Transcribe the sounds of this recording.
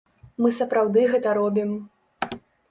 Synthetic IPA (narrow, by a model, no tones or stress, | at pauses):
mɨsɐpɾawd̪ɨɣɛt̪ɐɾɔbʲim